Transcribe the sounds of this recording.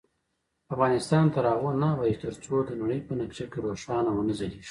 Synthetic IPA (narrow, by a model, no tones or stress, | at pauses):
afɣɑnɪst̪ɑnt̪aɾɑɣonawait̪əɾt͡sod̪ənaɽəjpənakt͡ʃakeɾoʂɑnawənəzaliʃ